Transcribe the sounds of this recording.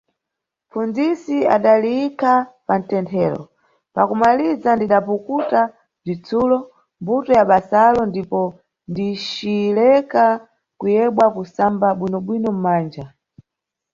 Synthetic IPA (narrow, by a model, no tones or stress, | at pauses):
fund͡zisia̰ɗaliikʰapan̩tɛntʰɛːɾɔ̰ | pakumalizandiɗapukuta | b͡ʐit͡sulɔ | mbutɔjaɓasalɔndipɔ | ndit͡ʃilɛka | kujɛɓwakusambaɓwinɔɓwinɔm̩maːnd͡ʒa